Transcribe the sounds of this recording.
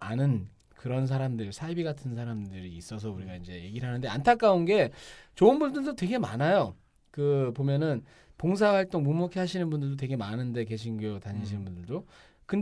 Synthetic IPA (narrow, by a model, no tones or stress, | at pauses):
anɯn | kɯɾʌns̬ʰaɾamdɯɭsʰaibiɡatʰɯns̬ʰaɾamdɯɾiːs͈ʌs̬ʰʌuɾiɡaind͡ʑe̞je̞ɡiɾɦanɯnde̞a̰ntʰak͈aunɡe̞t͡ɕoɯnbundɯɭdotwe̞ɡe̞ma̰najo | kɯpomjʌnɯn | poŋs̬ʰawaɭt͈oŋmumokʰeɦaɕʰinɯnbundɯɭdot̬we̞ɡe̞manɯnde̞ke̞ɕʰinɡootaɲiɕ̬ʰinɯnbundɯɭdo | kɯn